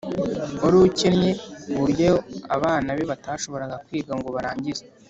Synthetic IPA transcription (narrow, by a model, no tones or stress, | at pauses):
oɾucenɲe̞βuɾjojoa̰βaːnaβeβataːʃo̞βo̞ɾaɡakwiːɡaŋɡo̞βaɾaːɲɟize